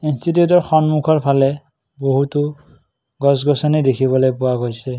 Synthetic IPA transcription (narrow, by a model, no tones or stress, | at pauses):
institiutɔɹxɔnmukʰɔɹpʰalɛ | boɦutʊ | ɡɔsɡɔsɔnidekʰiβɔlojpʊwaɡojsɛ